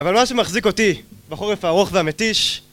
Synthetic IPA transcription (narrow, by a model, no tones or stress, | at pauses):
avalmaʃemaχziko̞t̪ibaχoʁefaʁoχveamet̪iʃ